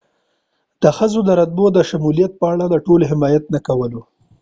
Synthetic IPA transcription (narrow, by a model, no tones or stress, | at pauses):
d̪̥əxəzod̪əɾad̪̚bod̪əʃamulijat̪̚pəaɽaləʈoloɦɪmɑjat̪̚nakawəlo